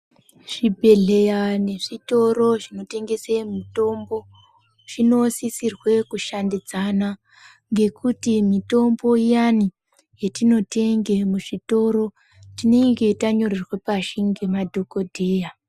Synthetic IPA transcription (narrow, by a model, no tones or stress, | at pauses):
ʐ̥ibʱe̞ɮe̞jane̞ʐito̞ɾo̞ʐino̞te̞ŋɡe̞semito̞mbo̞ | ʐ̥ino̞sisirwe̞kuʃandid͡zana | ŋɡe̞kutimito̞mbo̞jani | jetino̞te̞ŋɡe̞muʐito̞ɾo̞ | tine̞ŋɡe̞taɲo̞rirwepaʃiŋɡemadʱo̞kodʱeːja